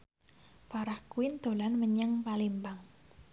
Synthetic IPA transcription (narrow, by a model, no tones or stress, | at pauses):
faɾahkuɪnd̪̥o̤lanməɲəŋpalimbaŋ